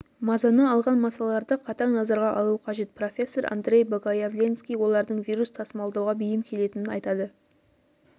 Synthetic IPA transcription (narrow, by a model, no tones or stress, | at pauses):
mɑzɑnəːlˠʁɑnmɑsɑlˠɑɾd̪əqʰɑt̪ɑŋnɑzɑɾʁɑʔɑlˠuqʰɑʒe̞t̪̚pro̞fʲe̞sːo̞ɾʔa̰nd̪rʲe̞jboɡɑjavlʲenskʲijwo̞lˠɑɾd̪əɴvijɾust̪ʰɑsəmɑlˠd̪ɑwʁɑbʏjɪmkʲʰe̞le̞t̪ɪnɪnɑjt̪ɑd̪ə